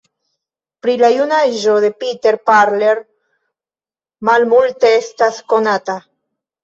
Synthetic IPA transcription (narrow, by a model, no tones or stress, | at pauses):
pɾilajunaʒode̞pite̞ɾpaɾleɾ | malmulte̞estasko̞nata